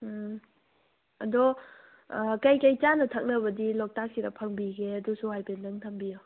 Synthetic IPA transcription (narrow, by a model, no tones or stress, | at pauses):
ɐdɔ | kɐjkɐjt͡ʃanɐtʰək̚nɐbɐdilɔk̚tak̚siɾɐpʰɐŋbiɡeɐdusuɦajpendɐŋtʰɐmbijo